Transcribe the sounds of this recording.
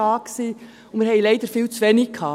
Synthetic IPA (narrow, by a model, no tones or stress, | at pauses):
ɑːksiː | ʊmɪːɾhɛɪlɛɪd̥̪əɾfiːlt͡sʋɛnɪkʰɑː